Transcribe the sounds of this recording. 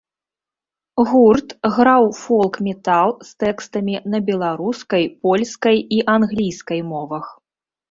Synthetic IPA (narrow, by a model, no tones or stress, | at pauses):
ɣurt̪ɣɾawfɔlˠkmʲɛt̪alˠst̪ɛkst̪ɐmʲinɐbʲɛlˠaɾuskɐjpɔlʲskɐjiʔanɣlʲijskɐjmɔvɐx